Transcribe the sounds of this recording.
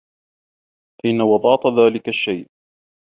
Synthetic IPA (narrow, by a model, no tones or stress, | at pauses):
ʔɪnːawɑd̪ˤɑːt̪ˤðaːlɪkaʃːajʔ